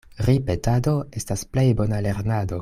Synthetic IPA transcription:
ɾipetado̞estasple̞jbo̞nale̞ɾnado̞

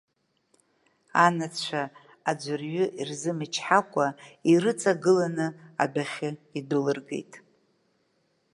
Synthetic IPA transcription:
anat͡sʰt͡ʃʷʰaː | d͡ʒʷɨrɥʏʔirzɨmɨt͡ʃʰħakʷʼairɨt͡sʼaɡɨlanɨa̰baχʲɪidɨlɨrɡe̞̰jtʼ

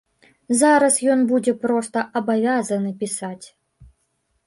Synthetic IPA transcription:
zaɾɐsjɔnbud͡zʲɛpɾɔst̪ɐʔɐbavʲazɐnɨpʲisat͡sʲ

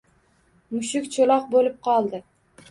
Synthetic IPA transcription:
mʊʃɪkʲt͡ʃʰolˠɒq̚bolɪp̚qʰɒlˠd̪ɪ

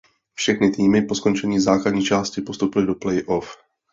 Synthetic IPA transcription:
fʃɛxnɪt̪iːmɪpo̞sko̞nt͡ʃɛɲiːzaːkladɲiːt͡ʃaːscɪpo̞st̪owpɪlɪdo̞plɛjʔof

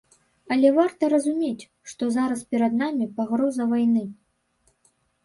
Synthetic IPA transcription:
ɐlʲɛvart̪ɐɾɐzumʲet͡sʲ | ʂt̪ɔzaɾɐspʲɛɾɐd̪namʲipaɣɾɔzɐvajnɨ

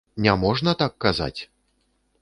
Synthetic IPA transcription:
nʲɛmɔʐnɐt̪akːaza̰t͡sʲ

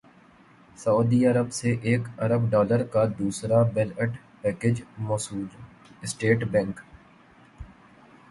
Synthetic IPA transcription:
saʊːd̪iəɾəbseʔeːkɐɾəbɖɔːləɾkad̪uːsɾabɛləʈ | pɛːked͡ʒmɔːsuːl | ɪsʈeːʈbɛ̃ŋk

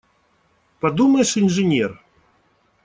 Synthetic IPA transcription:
pad̪umɐjʂinʐɨnʲɛr

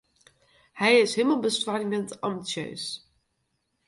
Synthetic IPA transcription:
hɛjɪsɦeːməlˠbəstwaːrimɛntɑmbitsjø̰ːs

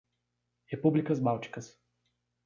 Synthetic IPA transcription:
ɛpublikazbawt͡ʃi̥kɐs

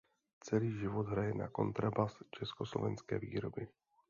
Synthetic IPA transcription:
t͡sɛliːʒɪvod̪ɦɾajɛna̰ko̞̰nt̪ɾabast͡ʃɛskoslo̞̰vɛnskɛ̰ːvḭːɾobɪ

